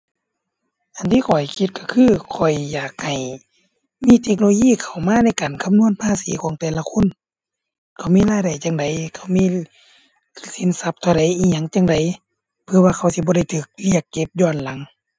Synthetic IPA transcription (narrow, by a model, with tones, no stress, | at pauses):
ʔa˨˩nt̪ʰiː˧kʰɔ˨˩jkʰi˧t̪̚kʰa˧˩kʰɯː˧˥˨kʰɔ˨˩jːaː˨˩k̚ha˨˩j | miː˧˥˨t̪ʰe˧k̚nloː˧jiː˧˥˨kʰa˨˩wmaː˧˥˨na˧˥˩jkaː˨˩nkʰa˧˨mnu˧˥˨ə˨npʰaː˧˥˨siː˨˦kʰɔː˨˦ŋt̪ɛː˨˩la˧kʰo˧˥˨n | kʰa˧˩wmiː˧˥˨laː˧˨jda˨˩jt͡ɕa˧ŋda˨˩jkʰa˧˩wmiː˧˥˨ | si˨˦nsa˧˦p̚t̪ʰa˧˩˨ɾa˨˦jʔiː˧˩ɲa˧˨ŋt͡ɕa˧˨ŋda˨j | pʰɯ˧ɐ˨waː˧˨kʰa˧˩wsi˧bɔː˧ɾa˧˩jt̪ʰɯː˨˩k̚li˧˩əkːe˧˦p̚jɔː˧˩˨nla˨˦ŋ